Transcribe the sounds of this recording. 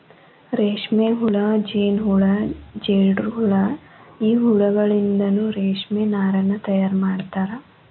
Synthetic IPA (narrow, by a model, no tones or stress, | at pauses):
ɾeːʂmeːɦuɭɐd͡ʒeːnɦuɭɐd͡ʒeːɖɾɦuɭɐ | iːɦuɭɐɡɐɭind̪ɐnuːɾeːʂmenaːɾɐnːɐt̪ɐjaːɾmaːɽt̪aːɾɐ